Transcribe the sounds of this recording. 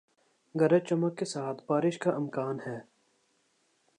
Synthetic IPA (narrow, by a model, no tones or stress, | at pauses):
ɡɐɾet͡ʃɐməkːesaːt̪ʰbaːɾɪʃkaʔɪmkaːnhɛː